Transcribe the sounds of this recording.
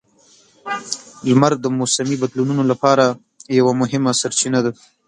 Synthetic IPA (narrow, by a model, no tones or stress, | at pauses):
lmaɾd̪əmosamibad̪lununolapɑɾa | jawamʊɦɪmasaɾt͡ʃinad̪a